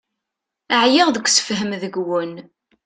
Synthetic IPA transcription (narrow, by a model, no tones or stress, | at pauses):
əʕjɪʁðəkʷːsə̥fɦəmðəɡwən